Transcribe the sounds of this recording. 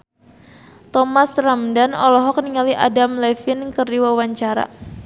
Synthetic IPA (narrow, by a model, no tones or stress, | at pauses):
t̪ɔmasramdanɔlɔɦɔk̚niŋaliʔa̰damlɛfɪnkərdiwawaɲt͡ʃaɾa̰